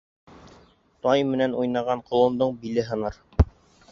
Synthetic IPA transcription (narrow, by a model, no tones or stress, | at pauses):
t̪ɑjmɘ̆nænujnɑʁɑɴqŏlˠɤ̆nd̪ɤɴbilɘɦɤ̆nɑɾ